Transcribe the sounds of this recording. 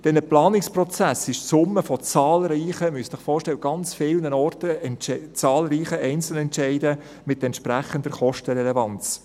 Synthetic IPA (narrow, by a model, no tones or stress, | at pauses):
d̥ɛnəplɑːnɪksprɔt͡sæsɪʃsʊmːəfɔt͡sɑːlɾiːχəmyəssɪχfɔːɾʃtɛləɡ̥ɑnt͡sfɪlnənɔrtəɛnt͡sɑːlɾiːχəʔɛɪnt͡sl̩nɛntʃɛɪdə | mɪtɛntʃpɾæχəndəɾχɔʃtəɾɛlɛvɑnt͡s